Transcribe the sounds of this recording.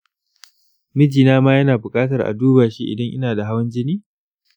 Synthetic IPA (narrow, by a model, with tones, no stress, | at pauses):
mɪ˦d͡ʒiː˨naː˦maː˦jɐ˦naː˨bʊ˨kʼaː˦tɐ˨rʔa̰˨duː˦baː˨ʃi˦ʔɪ̰˨dɐ˦ŋʔɪ˦naː˨da˨ɦa˦wɐ˦nd͡ʒɪ˦niː˦